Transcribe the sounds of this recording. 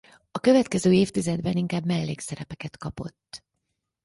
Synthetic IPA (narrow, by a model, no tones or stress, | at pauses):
ɒkø̞vɛt̪kɛzøːeːft̪izɛd̪bɛniŋkaːbmɛlːḛːksɛɾɛpɛkɛt̪kɒpo̞̰t̪ː